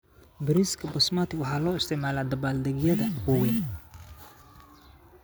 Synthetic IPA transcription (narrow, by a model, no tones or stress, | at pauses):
bɪɾiskʰɐbɐsmat̪ʰɪwɑħɑːlɔːɪst̪ʰɪʕmaːlaːd̪ɐbaːld̪ɛɣjɐðɐwɔwin